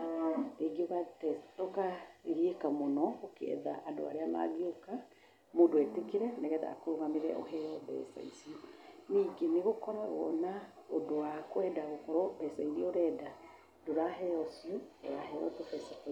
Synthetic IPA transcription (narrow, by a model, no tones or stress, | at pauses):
eɡioɣatɛtɔkaeɣiekamonɔokeɛ̰ðaʔado̰a̰ɾeana̰ɣeoka | moːndoɛtekeɾɛnɛɣɛða̰koɾoɣameɾɛ̰ʔɔ̰hɛɔbɛ̰sa̰isioniːɡeneɣokɔɾaɾwɔ̰naodoakwɛdaɣokɔɾɔbɛsaiɾioɾɛːda | doɾaɦɛɔsioo̰ɾahɛɾɔ̰tofɛsak